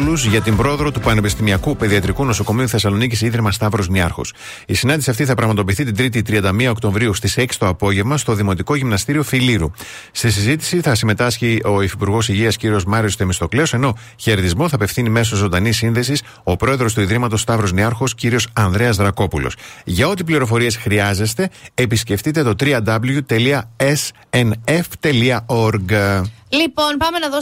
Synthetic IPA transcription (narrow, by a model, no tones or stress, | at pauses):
luzʝɐt̪imbɾo̞eðɾo̞t̪upɐne̞pist̪imiɐkupe̞ðiɐt̪ɾikuno̞so̞ko̞miuθe̞sɐlo̞nicisiðɾimɐst̪ɐvɾo̞zniɐɾxo̞̰s | isinɐ̃nd̪isiɐft̪iθɐpɾɐɣmɐt̪o̞piːθit̪ind̪ɾit̪̬it̪ɾiɐnd̪ɐmiɐo̞kt̪o̞ɱvɾiust̪ise̞ksi̥t̪o̞ɐpo̞ʝe̞vmɐst̪o̞ðimo̞t̪iko̞ʝimnɐst̪iɾio̞filiɾust̪is̬izit̪i̥siθɐsime̞t̪ɐsçio̞ifipuɾɣo̞siʝiɐsciɾio̞zmɐɾiost̪e̞mist̪o̞kle̞o̞se̞no̞ | çe̞ɾeðizmo̞θɐpe̞fθinime̞s̬ozo̞nd̪ɐnisːinðe̞sis | o̞pɾo̞e̞ðɾo̞st̪uiðɾimɐt̪o̞st̪ɐvɾo̞zniɐɾxo̞sciɾio̞sɐnðɾe̞ɐzðɾɐko̞pulo̞̰sʝɐo̞t̪ipliɾo̞fo̞ɾie̞sxɾiɐze̞st̪e̞ːpisce̞ft̪it̪e̞t̪o̞t̪ɾiɐd̪ɐblʝut̪e̞liɐes | eneft̪e̞liɐo̞ɾɡ | lipo̞npɐme̞nɐðo